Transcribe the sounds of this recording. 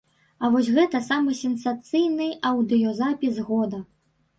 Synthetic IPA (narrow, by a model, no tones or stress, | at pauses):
ɐvɔsʲɣɛt̪ɐsamɨsʲɛnsat̪sɨjnɨɐwd̪ɨjɔzapʲizɣɔd̪ɐ